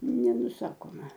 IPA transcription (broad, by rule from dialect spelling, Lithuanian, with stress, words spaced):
nʲɛnʊˈsɑːkoːmɐ